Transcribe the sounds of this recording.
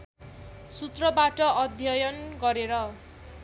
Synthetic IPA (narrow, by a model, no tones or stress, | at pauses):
sut̪rʌbaʈʌʌd̪ʱjʌjʌnɡʌɾeɾʌ